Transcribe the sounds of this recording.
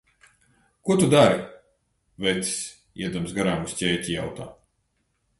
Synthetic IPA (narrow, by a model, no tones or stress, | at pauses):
kuɔt̪ud̪aɾi | vɛt̪i̥s | ḭɛd̪ɔmsɡaɾaːmusʲtʲɛːcʲija̰wt̪aː